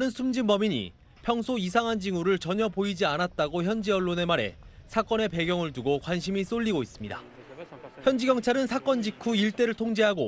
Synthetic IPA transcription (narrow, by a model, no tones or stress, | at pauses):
anɯnsʰumd͡ʑinbʌmiɲḭ | pʰjʌŋsʰois̬ʰaŋɦand͡ʑiŋuɾɯɭt͡ɕʌɲʌpoid͡ʑianat̚t͈aɡoçjʌnd͡ʑiʌɭːone̞maɾe̞̰ | sʰak͈ʌne̞pe̞ɡjʌŋɯɭtuɡokwanɕʰimis͈oʎːiɡois͈ɯmɲida̰ | çjʌnd͡ʑiɡjʌŋt͡ɕʰaɾɯnsʰak͈ʌnd͡ʑikʰuiɭt͈e̞ɾɯɭtʰoŋd͡ʑeɦaɡo